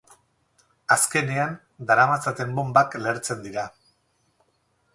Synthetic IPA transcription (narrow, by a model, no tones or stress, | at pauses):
aske̞nean | d̪aɾamasat̪e̞mbo̞mbakle̞ɾt͡se̞nd̪iɾa